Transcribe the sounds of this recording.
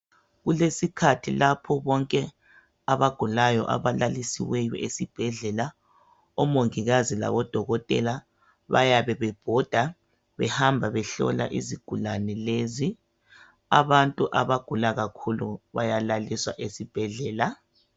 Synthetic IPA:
ɣulesikʰatʰilapʰɔβɔŋkʼɛ | aβaɡ̥ʱulajɔ̰ʔa̰βalalisḭwɛjɔ̰ʔesib̥ʱɛɮɛla | ɔmoŋiɣazila̰βɔd̥ʱɔɣɔtʼɛ̰la | βa̰jaβɛβɛb̥ʱɔd̥ʱa | βɛhambʱaβɛɬɔ̰la̰ʔiziɡ̥ʱulanɛlezi | a̰βantʼuʔaβaɡ̥ʱulaɣakʰuluβajalaliswaʔesib̥ʱɛɮɛːla

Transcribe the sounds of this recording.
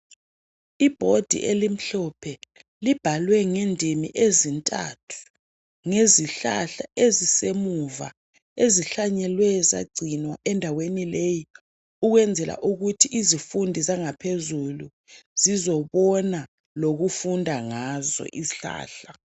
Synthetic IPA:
ib̥ʱod̥ʱḭʔelim̩ɬɔpʰɛ | lib̥ʱalwɛŋendʱimḭʔezintʼa̰tʰu̥ | ŋeziɬa̰ɬaʔezisemuva̰ | eziɬaɲɛlwɛza̰ɡ͡ǀʱinwaʔɛndʱawenileji | uɣwɛnd͡zʱɛlʔa̰ʔuɣutʰiʔizifundʱizaŋapʰezulu | z̥izɔβɔna | loɣufundʱaŋazɔ̰ʔiɬa̰ːɬa

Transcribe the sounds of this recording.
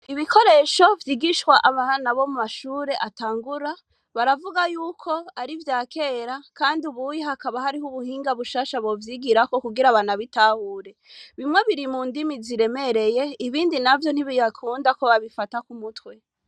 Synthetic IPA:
iβikʰo̞ɾe̞ːʃo̞vjiːɡiʃwaʔaβahnaβo̞mumaʃuːɾe̞ʔataːŋɡuɾa | βaɾavuɡajuːkʰo̞aɾivjaːkʰe̞ːɾakaːndiuβujihakaβahaɾihuβuhiːŋɡaβuʃaːʃaβo̞vjiɡiɾako̞kuɡiɾaβanaβitaːhuːɾe̞βimŋe̞βiɾimuːndimiziɾe̞me̞ɾe̞je̞iβiːndinavjo̞n̥iβijakʰuːndakoβaβifatakumutwe

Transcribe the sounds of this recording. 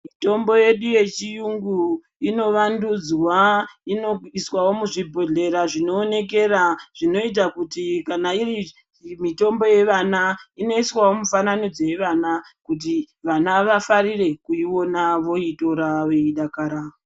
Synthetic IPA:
mito̞mbo̞je̞ɗuje̞t͡ʃijuŋɡu | ino̞ʋandud͡zwainoiswawo̞muʐibʱo̞ɮe̞ɾaʐino̞ːne̞k̬e̞raʐ̥ino̞it̬akutikanairi | mito̞mbo̞je̞ʋanaino̞iswawo̞mufananod͡zeʋanakut̬i | ʋanaʋafaɾire̞kuiwo̞naʋo̞ito̞ɾaweiɗakaɾao

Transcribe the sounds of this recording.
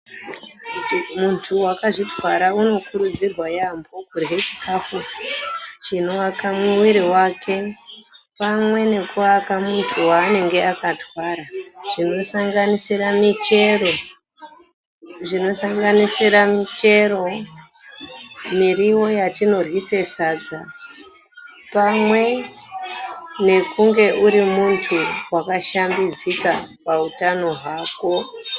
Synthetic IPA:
muntʰuwakaʐitwaɾauno̞kuɾud͡zirwajambo̞kurɦe̞t͡ʃikafu | t͡ʃino̞akamuwiɾiwakʰe̞ | pamwe̞ne̞kuakamuntʰuwaːne̞ŋɡe̞akatwaːɾaʐ̥ino̞saŋɡanisiɾamit͡ʃe̞ro̞ | ʐino̞saŋɡanisiɾamit͡ʃe̞ro̞ | miriwo̞jatino̞rwise̞sad͡za | pamwe̞ | ne̞kuŋɡe̞ʔuɾimuntʰuwakaʃambid͡zikapautano̞ɦwaːko̞

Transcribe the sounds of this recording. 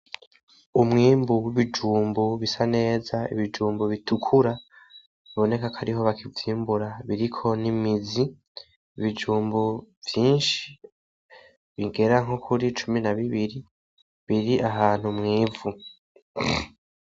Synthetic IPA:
umŋiːmbuwiβid͡ʒuːmbuβisane̞ːzaḭβid͡ʒuːmbuβitʰukʰuɾa | βiβo̞ne̞kakʰaɾiɦo̞βakʰivjiːmbuɾaβiɾikʰo̞nimiziː | βid͡ʒuːmbuvjiːnʃi̥ | βiɡe̞ɾaŋɦokʰuɾit͡ʃuminaβiβiɾi | βiɾiʔaɦaːn̥humŋiːvu

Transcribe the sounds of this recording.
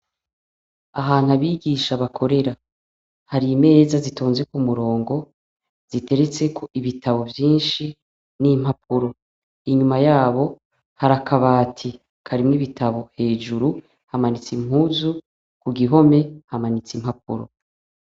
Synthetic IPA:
aɦaːn̥huaβiːɡiʃaβakʰo̞ɾe̞ɾa | haɾiːme̞ːzazitoːnzekumuɾo̞ːŋɡo̞ | z̥ite̞ɾe̞t͡se̞kʰo̞ʔiβitʰaβo̞vjiːnʃi | nim̥hapʰuɾo̞ | iɲumajaːβo̞ | haɾakʰaβaːtʰi | kʰaɾimŋniβitʰaβo̞he̞ːʒuɾu | hamanit͡sim̥huːzu | kuɡiɦo̞me̞hamanit͡simhap̚ṵɾo̞̰

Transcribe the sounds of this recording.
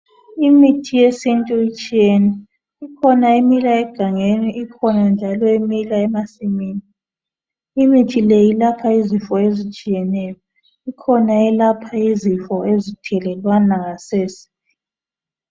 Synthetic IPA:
imitʰijesintʼuit͡ʃʼijɛnɛ | ikʰɔnaimilaɛɡ̥ʱaŋeniʔikʰɔnand͡ʒʱalɔimilaɛmasimiːniː | mitʰilejilapʰaizifɔezit͡ʃʼijɛnɛjɔ | ikʰɔnaɛlapʰaizifɔezitʰɛlɛlwanaŋaseːsi̥

